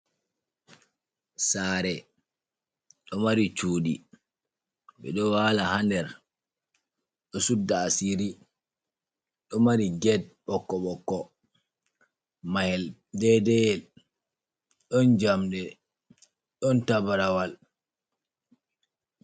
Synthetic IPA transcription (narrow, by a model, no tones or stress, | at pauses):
saːɾɛ | ɗɔmaɾit͡ʃuːɗḭ | ɓɛ̰ɗɔwaːlahandɛɾ | ɗɔsudːaːsiɾi | ɗɔmaɾiɡɛd̚ɓɔkːɔɓɔkːɔ | mahɛl | dɛdɛjɛ | ɗɔnd͡ʒamɗɛ | ɗɔntabaɾawal